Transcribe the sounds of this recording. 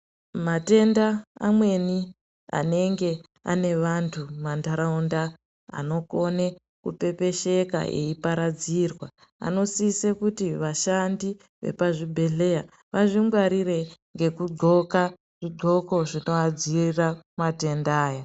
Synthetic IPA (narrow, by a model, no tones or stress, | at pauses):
mate̞ndaa̰mwe̞ni | a̰ne̞ŋɡe̞ | a̰ne̞ʋantʰumandaɾaunda | a̰no̞ko̞ne | kupe̞pe̞ʃe̞ka̰ḛipaɾad͡zirwa | a̰no̞siːsekutiʋaʃandi | ʋe̞̰paʐibʱe̞ɮe̞ja | ʋaʐimɡwaɾire̞ŋɡe̞kuɡ͡ǃo̞ka | ʐ̥iɡʱo̞ko̞ʐino̞ad͡ziramate̞ndaːja